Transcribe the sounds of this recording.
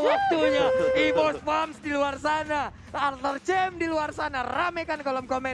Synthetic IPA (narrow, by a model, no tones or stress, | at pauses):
wak̚t̪uɲaibɔsfamsdiluarsana | at̪ərt͡ʃɛmdiluarsanaramɛkankolɔmkomɛ